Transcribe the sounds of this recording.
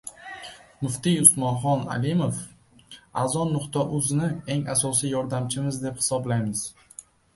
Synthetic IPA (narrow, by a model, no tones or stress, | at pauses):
mʊft̪ijʊsmɒnχɒna̰lɪmof | azɒnːʊqt̪ʰaʔʊznɪe̞ŋasɒsijɒɾd̪amt͡ʃʰɪmɪzd̪e̞phɪ̥sɒblajmɪz̥